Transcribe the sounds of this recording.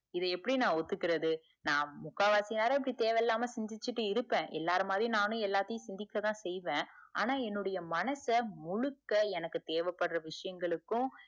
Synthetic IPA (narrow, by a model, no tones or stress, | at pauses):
ɪðɐɛpːɐɽinãːɔt̪ːɯkːɪɾɐðɯ | nãːmʊkːaːʋaːsɪjnaːɾɐɪp̬ːɐɽit̪eːʋɛlːaːmɐsɛɲd͡ʒɪt͡ʃːɯʈːɯɪɾɯpːẽːʔɛ̰lːaːɾɯmaːðɾjʊ̃nãːnʊ̃ɛlːaːt̪ːɐjʊ̃sɪnd̪ɪkːɐt̪ãːsɛjʋẽːa̰ːnaːɛnːɯɽɐjɐmɐnɐsɐmʊɻɯkːɐɛnɐkːɯt̪eːʋɛpːɐɽɾɐʋɪʂɐjɐŋɡɐɭɯkːʊ̃